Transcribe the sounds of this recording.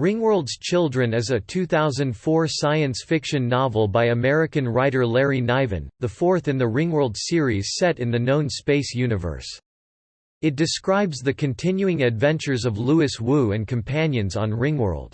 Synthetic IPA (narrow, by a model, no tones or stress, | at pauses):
ɹɪ̃ŋwɜ˞lˠdz̥t͡ʃʰɪlˠdɹɨ̃nɨzɨtʰʉθaʊzɨ̃nd̥fɔɹsaɪɨ̃nsfɪkʃɨ̃nːɑvl̩ˠbaɪɨmɛɹɨkɨ̃nɹaɪɾə˞lɛɹinaɪvɨ̰̃nðəfɔɹθɨ̃nðɨɹɪ̃ŋwɜ˞lˠd̥sɪɹiz̥sɛɾɨ̃nðɨnõʊ̃nspeɪsjʉnɨvə̰˞s | ɨt̚d̥ɨskɹaɪbzðɨkʰɨ̃ntʰɪ̃njʉɪ̃ŋɨdvɛ̃nt͡ʃə˞zʌvluɨswuɨ̃nkʰɨ̃m̩pʰæ̃njɨ̃nzn̩ɹɪ̃ŋwɜ̰˞lˠd̥